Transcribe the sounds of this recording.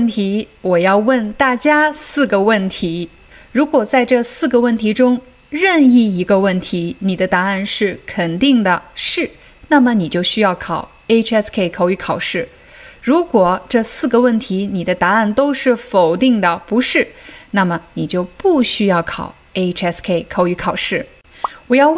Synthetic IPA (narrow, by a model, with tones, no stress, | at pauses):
nt̪ʰi˧˥wɔ˨˩jɑ˥˧ʊwə˥˧nt̪a˥˩t͡ɕja˥sɹ̩˥˩ɡə˩wə˥˩nt̪ʰi˧˥ | ɻu˧˥kwɔ˨˩t͡sa˥˧ɪʈ͡ʂɤ˥˧sɹ̩˥˩ɡə˩wə˥˩nt̪ʰi˧˥ʈ͡ʂʊ˥ŋ | ɻə˥˧ni˥˩i˧˥ɡə˧wə˥˩nt̪ʰi˧˥ni˨˩d̪ə˦t̪a˧˥a˥˧nʂɻ̩˥˩kʰə˨˩nt̪i˥˩ŋd̪ə˩ʂɻ̩˥˩ | na˥˩mə˩ni˨˩t͡ɕjo˥˩ʊɕy˥jɑ˥˩ʊkʰɑ˨˩˦ʊ | e˥ɪʈ͡ʂʰɛ˥skʰe˥˩ɪkʰɑ˨˩ʊy˧˥kʰɑ˨˩ʊʂɻ̩˥˩ | ɻu˧˥kwɔ˨˩ʈ͡ʂɤ˥˧sɹ̩˥˩ɡə˩wə˥˩nt̪ʰi˧˥ni˨˩d̪ə˦t̪a˧˥a˥˩nt̪o˥ʊʂɻ̩˥˩fo˨˩ʊt̪i˥˩ŋd̪ə˩pu˧˥ʂɻ̩˥˩na˥˩mə˩ni˨˩t͡ɕjo˥˧ʊpu˥˩ɕy˥jɑ˥˩ʊkʰɑ̰˨˩˦ʊ | e˥ɪɛ˥skʰe˥˩ɪkʰɑ˨˩ʊy˧˥kʰɑ˨˩ʊʂɻ̩˥˩ | wɔ˨˩jɑ˥˧